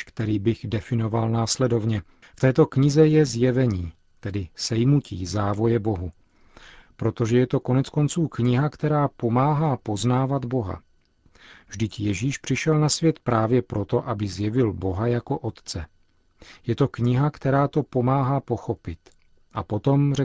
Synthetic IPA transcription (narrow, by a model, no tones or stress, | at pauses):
kt̪ɛɾiːbɪɣdɛfɪno̞valnaːslɛdo̞vɲɛ | ft̪ɛːt̪o̞kɲɪzɛjɛzjɛvɛɲiː | t̪ɛdɪsɛjmucʰḭːzaːvo̞jɛbo̞ɦu | pɾo̞t̪o̞ʒɛjɛt̪o̞ko̞nɛt͡sko̞nt͡suːkɲɪɦakt̪ɛɾaːpo̞maːɦaːpo̞znaːvad̪bo̞ɦa̰ | vʒdɪcjɛʒiːʃpr̥ɪʃɛlnasvjɛt̪pɾaːvjɛpɾo̞t̪o̞ʔabɪzjɛvɪlbo̞ɦajako̞ʔo̞t̪t͡sɛ | jɛt̪o̞kɲɪɦakt̪ɛɾaːt̪o̞po̞maːɦaːpo̞xo̞pɪt̪ | ʔapo̞t̪o̞mrɛ